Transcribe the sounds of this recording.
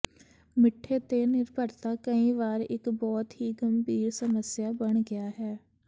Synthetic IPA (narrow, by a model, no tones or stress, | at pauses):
mɪʈʰːeːt̪eːnɪɾbʱəɾt̪aːkəĩːʋaːɾɪ̰kbɔːt̪ɦiːɡəmbiːɾsəməsjaːbəɳɡɪaːɦɛː